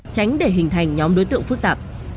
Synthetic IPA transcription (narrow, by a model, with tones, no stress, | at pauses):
t͡ɕa˨˦jŋ̟ɗe˧˩ɦï˨˩ŋ̟t̪ʰa˨˩jŋ̟ɲɔ˨˦mɗo˨˦jt̪ɨ̰˧˨əŋfɨ˦˥k̚t̪aː˨˩p̚